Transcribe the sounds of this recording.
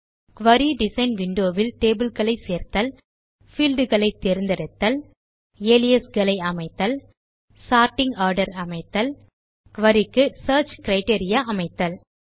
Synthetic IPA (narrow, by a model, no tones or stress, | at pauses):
kʋɐɾiɖɪsɐɪnʋɪɳɖoːʋɪlʈeːbɪlkɐɭɐɪseːɾt̪ɐl | fiːlɖɯɣɐɭɐɪt̪ːɛɾɯnd̪ɐɾɐt̪ːɐl | eːlɪjɐsɡɐlɐɪɐmɐɪt̪ːɐl | saːɾʈɪŋɡaːɾɖɐɾɐmɐɪt̪ːɐl | kʋɐɾɪkːɯsɐːɾt͡ʃkɪɾɐɪʈeːɾɪjaːʔɐmɐɪt̪ːɐl